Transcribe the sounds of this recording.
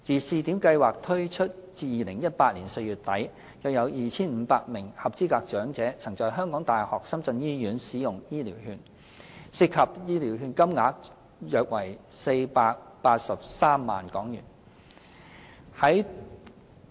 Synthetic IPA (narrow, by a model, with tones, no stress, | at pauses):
t͡siː˨˩siː˨˧t̪iː˨˥mkɐ˧jwaː˨k̚t̪ʰɵ˥ɥt͡ʃʰɵ˥t̚t͡siː˧jiː˨˩lɪ˨˩ŋjɐ˥t̚paː˧t̚liː˨˩nse˧jɥyː˨˩t̚t̪ɐ˨˥j | jɐ˨˩jɐ˨˧wjiː˨t͡sʰiː˥nm̩ː˨˧˦paː˧t̚mɪ˨˩ŋhɐ˨p̚t͡siː˥kaː˧k̚t͡ʃœː˨˥ŋt͡sɛː˨˥t͡sʰɐ˨˩ŋt͡sɔː˨˧jɦœː˥ŋkɔː˨˥ŋt̪aː˨˩jhɔː˨k̚sɐ˥mt͡sɐ˧njiː˥jyː˨˥nsiː˨˥jʊ˨ŋjiː˥liː˨˩whyː˧n | si˧t̚khʰɐ˨p̚jiː˥liː˨˩wɦyː˧nkɐ˥mŋaː˨˥k̚ | jœː˨k̚wɐ˨˩jse˧jpaː˧k̚paː˧t̚sɐ˨p̚saː˥mːa̰ː˨nkɔː˨˥ŋjyː˨˩n | hɐ˨˥j